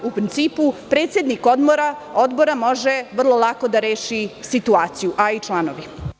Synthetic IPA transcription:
upɾint̪siːpupɾe̞ːt̪se̞d̪niko̞d̪mo̞ɾao̞d̪bo̞ɾamo̞ʒeʋr̩lˠo̞lˠako̞d̪aɾe̞ːʃisit̪uaːt̪sijuʔait͡ʃlˠanoʋi

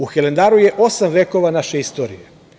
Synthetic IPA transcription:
uxele̞nd̪aɾuje̞ʔo̞samʋe̞ːko̞ʋanaʃeist̪oːɾḭje

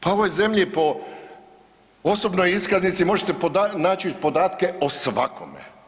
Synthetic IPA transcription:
pao̞ʋo̞jze̞mʎipo̞ | osobnojiskaznit̪simo̞ʒet̪e̞pod̪anaːt͡ʃipo̞d̪aːt̪ke̞osʋakʰo̰mḛ

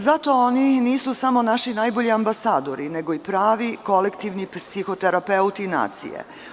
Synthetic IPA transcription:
zat̪o̞oniniːsusamo̞naʃinaːjboʎiambasaːd̪o̞ɾine̞ɡo̞ipɾaːʋiko̞lekt̪iʋnipsixo̞t̪eɾapeut̪ina̰ːt̪sḭjḛ

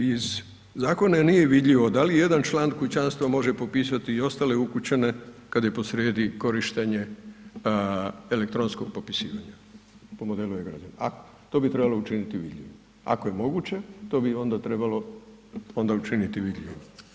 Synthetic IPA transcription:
iz | zaːko̞nanije̞ʋid̪ʎʲiʋo̞d̪alije̞d̪ant͡ʃlˠaːnkut͡ɕanst̪ʋamo̞ʒe̞po̞piːsat̪iːo̞st̪ale̞ukut͡ɕene̞kad̪jepo̞sɾeːd̪iko̞ɾiʃt̪eɲe̞ | elek̚t̪ɾo̞ːnskoɡ̥̚po̞pi̥siːʋaɲa | po̞mo̞d̪e̞lujeɡɾa̰d͡ʒanaa̰ | t̪o̞ːbit̪ɾe̞balˠout͡ʃinit̪iʋḭd̪ʎʲḭʋi | a̰ko̞je̞mo̞ɡut͡ɕe̞t̪o̞ːbio̞nd̪at̪ɾe̞balo̞ | ond̪aut͡ʃinit̪iʋid̪ʎʲiʋim

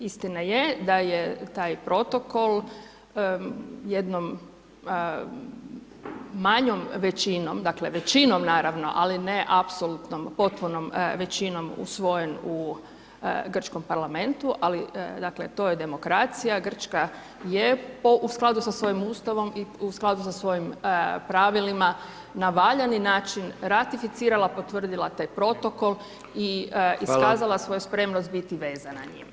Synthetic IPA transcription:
ist̪inajed̪ajet̪aːjpɾo̞t̪oko̞lˠ | jed̪nom | aɲomʋet͡ɕinomd̪akleʋet͡ɕinomnaːɾaʋno̞̰ʔalineʔapsolut̪nompo̞t̪̚punomʋet͡ɕino̞mṵsʋo̞je̞nu | ɡr̩t͡ʃko̞mpaɾlame̞nt̪uʔalid̪akle̞t̪o̞jed̪e̞mo̞kɾat̪sijaɡr̩t͡ʃka | jepoʔusklˠad̪usasʋo̞jimuːst̪aʋo̞miusklˠad̪usasʋo̞jimpɾaʋilima | naʋaʎaninaːt͡ʃinɾat̪ifit̪siːɾalapo̞t̪ʋr̩d̪ilˠat̪aːjpɾo̞t̪o̞ko̞l | iiskaːzalˠasʋo̞juspɾe̞mnost̪̚bit̪iʋe̞ːzanaɲḭm

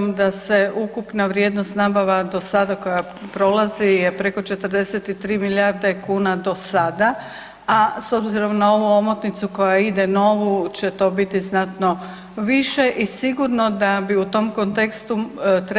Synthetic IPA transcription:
md̪ase̞ʔukupnaʋɾʲje̞d̪nost̪nabaʋad̪o̞sad̪ako̞ja | pɾo̞lazije̞pɾe̞ko̞t͡ʃe̞t̪ərɾd̪e̞set̪it̪ɾiːmiljaɾd̪ekuːnad̪o̞sad̪a | aso̞bziɾo̞mnao̞ʋuo̞mot̪nit̪suko̞jaid̪eno̞ʋut͡ɕet̪o̞ːbit̪iznat̪no̞ | ʋiʃe̞ʔisiɡuɾno̞d̪abiut̪o̞mkont̪e̞kst̪ut̪ɾ

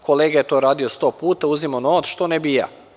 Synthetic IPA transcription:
ko̞leːɡajet̪oːɾaːd̪ijost̪o̞puːt̪auzimonoat̪sʃt̪onebija̰

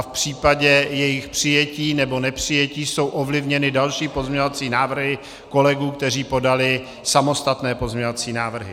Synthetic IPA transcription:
afpr̝̥iːpaɟɛjɛjɪxpr̝̥ɪjɛciːnɛbo̞nɛpr̝̥ɪjɛciːso̞wʔovlɪvɲɛnɪdalʃiːpo̞zɲɛɲovat͡siːnaːvr̩ɦɪ | ko̞lɛɡuːkt̪ɛr̝iːpo̞dalɪ | samo̞st̪at̪nɛːpo̞zmɲovat͡siːnaːvr̩ɦɪ

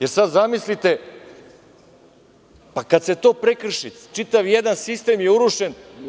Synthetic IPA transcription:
jeɾsad̪zamislit̪e̞ | pakat̪se̞t̪o̞ːpɾekr̩ʃit̪t͡ʃit̪aʋjed̪ansist̪e̞ːmjeuɾuʃen

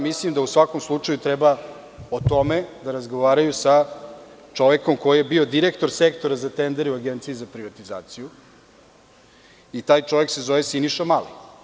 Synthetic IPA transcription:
mislimd̪ausʋako̞mslˠut͡ʂajut̪ɾɛba | ot̪o̞med̪aɾazɡo̞ʋaːɾajusa | t͡ʃo̞ʋeko̞mko̞jijebio̞d̪iɾekt̪o̞ɾsekt̪o̞ɾazat̪end̪eɾeuaɡent̪sijizapɾiʋat̪iza̰ːt̪siju | it̪aːjt͡ʃo̞ʋe̞kse̞zoʋesiniʃamali

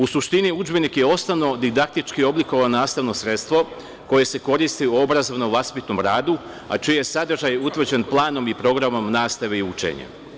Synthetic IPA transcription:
usuʃt̪iniud͡ʒbe̞nikje̞o̞st̪aʋno̞d̪id̪ak̚t̪it͡ʃkio̞bliko̞ʋaonaːst̪aʋno̞sɾe̞t̪st̪ʋo̞ | ko̞je̞se̞ko̞ɾist̪iuo̞bɾazoʋnoʋlaspit̪no̞mɾaːd̪u | a̰t͡ʃijejesad̪r̩ʒajut̪ʋr̩d͡ʑe̞nplˠaːno̞mipɾo̞ɡɾamo̞mnaːst̪aʋe̞iut͡ʃḛɲa̰

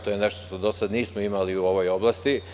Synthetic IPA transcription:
t̪oːjeneʃt̪oʃt̪o̞d̪o̞sad̪niːsmoimaliuo̞ʋo̞jo̞blast̪i

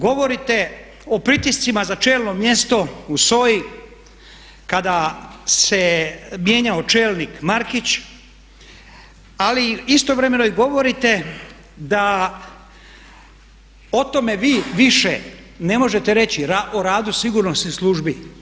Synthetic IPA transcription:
ɡo̞ʋo̞ɾit̪e̞ | opɾit̪ist̪simazat͡ʃe̞ːlno̞mje̞st̪o̞uso̞ji | kad̪ase̞mje̞ɲaot͡ʃe̞ːlˠnikmaɾkit͡ɕ | aliist̪o̞ʋɾe̞me̞noiɡo̞ʋo̞ɾit̪e̞ | d̪a | o̞t̪o̞me̞ʋiːʋiʃe | ne̞mo̞ʒe̞t̪eɾe̞t͡ɕiɾaʔoɾaːd̪usiɡuɾnosnislˠuʒbi

